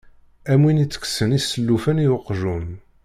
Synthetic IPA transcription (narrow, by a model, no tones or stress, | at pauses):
æmwinit͡sːə̥ksənisːəlːufænijʊqːʒum